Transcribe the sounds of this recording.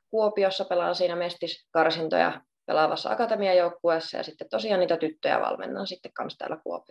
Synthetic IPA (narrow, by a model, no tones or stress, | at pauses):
kuopiosːɑpelɑ̰ːnsiːnæmest̪iskɑrsint̪o̰jɑ̰ | pelɑʋɑsːɑ̰ɑ̰kɑt̪emiɑjoukːueːˑsːɑ̰jɑ̰sit̪ːet̪t̪osiɑːnniːt̪æt̪yt̪ːøjæ̰ʋɑ̰lmḛnːɑ̰ːnsit̪ːekkɑnst̪æ̰ːlːækuopi